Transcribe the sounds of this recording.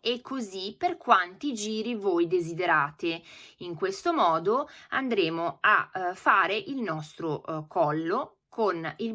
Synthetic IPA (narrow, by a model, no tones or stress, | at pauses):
ekʰːoziperkwant̪id͡ʒiːɾivojd̪ezid̪eɾaːt̪eiŋkwest̪omɔːd̪oand̪ɾeːmoafaːɾeʔilnɔst̪ɾokɔlːo | kʰonil